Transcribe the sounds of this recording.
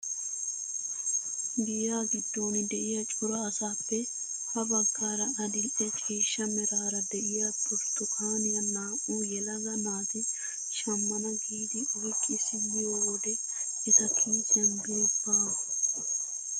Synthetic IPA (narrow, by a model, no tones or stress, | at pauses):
ɡɪjaːɡɪd̪ːoːnɪd̪ɛʔɪjɐt͡ʃʼʊɾɐːsaːpːɛ | hɐbɐɡːaːɾɐɐd̪ɪʔɛkʰʼeːʃːɐmɛɾaːɾɐd̪ɛʔɪjaːt̪ʼʊɾt̪ːʊkʰaːnɪjɐnːaːʔʼuːjɛlɐɡɐnaːt̪ɪ | ʃɐmːɐnɐɡiːd̪ɪʔɔjkʼːɪsɪjːɪjoːwɔd̪ɛ | ɛt̪ɐkʰiːt̪ɐnd̪uːbaː